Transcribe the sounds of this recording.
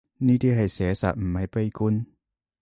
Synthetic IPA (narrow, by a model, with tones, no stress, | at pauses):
niː˧˥˩t̪ʰiː˧˩ɦa˧˨˩jsɛː˩˦sa̰˨˩m̩˨˦ma˨˥jpa˧˩jku˧˥n